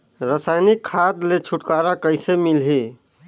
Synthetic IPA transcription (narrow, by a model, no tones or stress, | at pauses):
ɾəsajnikʰːad̪let͡ʃʰuʈkaɾakəɪsemilɦi